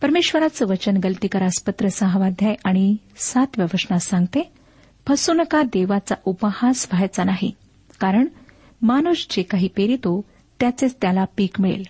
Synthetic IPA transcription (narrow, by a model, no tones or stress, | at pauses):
pəɾmeɕʋəɾat͡səʋət͡ɕənɡəlt̪ikəɾaspət̪ɾəsəɦʋad̪ʱjajʔaɽ̃i | sat̪ʋjəʋəʂnasãŋɡt̪e | pʰəsunkad̪eʋat͡saʔupəhasʋʱajt͡sanaɦḭ | kaɾəɳ | manusd͡ʑekaɦiːpeɾit̪o | t̪jat͡set͡st̪jalapiːkmiɭḛl